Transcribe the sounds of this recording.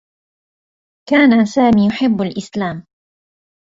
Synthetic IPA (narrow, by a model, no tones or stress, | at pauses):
kaːnasaːmiːjʊħɪbːalʔɪslaːm